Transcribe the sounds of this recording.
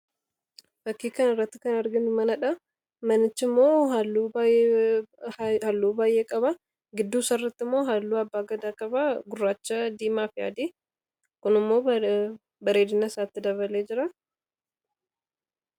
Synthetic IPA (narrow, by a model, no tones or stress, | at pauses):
fɐkːiːkɐnɪrːɐt̪ːɪkɐnɐɾɡɪnʊmɐnɐᶑɐ | mɐnɪt͡ʃːɪmːo̞ːɦɐlːuː | hɐlːuːbaːjʔeːkʼɐβɐ | ɡɪd̪ːuːsɐrːɐt̪ːɪmːo̞ːɦaːlːuːɐbːaːɡɐd̪aːkʼɐbɐɡʊrːaːt͡ʃːɐd̪iːmaːfɪja̰ːd̪eː | kʊnɪmːo̞ː | bɐɾe̞ːd̪ɪnɐsaːt̪ːɪd̪ɐβɐleːd͡ʒɪɾɐ